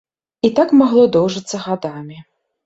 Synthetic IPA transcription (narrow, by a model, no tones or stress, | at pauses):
it̪akmaɣlˠɔd̪ɔwʐɨt̪sːɐɣad̪amʲi